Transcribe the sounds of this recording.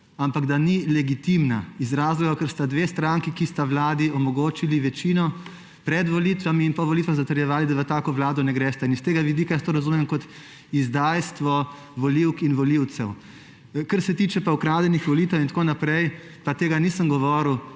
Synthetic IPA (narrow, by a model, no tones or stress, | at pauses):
ampaɡd̪anilɛɡit̪imnaizɾazlɔɡakəɾst̪ad̪ʋeːst̪ɾaŋkikist̪aʋlaːd̪iɔmɔɡoːt͡ʃiliʋɛt͡ʃiːnɔ | pɾɛd̪ʋɔliːt̪ʋamiːnpɔʋɔlit̪ʋaxzat̪əɾjɛʋaːlid̪aʋət̪aːkɔʋlaːd̪ɔnɛɡɾɛːst̪ɛinst̪eːɡaʋid̪iːkajast̪oɾazumɛmkɔt̪ | izd̪aːjst̪ʋɔ | ʋɔliwkinʋɔliw̪sɛw | kəɾsɛt̪iːt͡ʃɛpaukɾaːd̪jɛnixʋɔliːt̪ɛwint̪koːnapɾɛj | pat̪eːɡanisəmɡɔʋɔːɾuw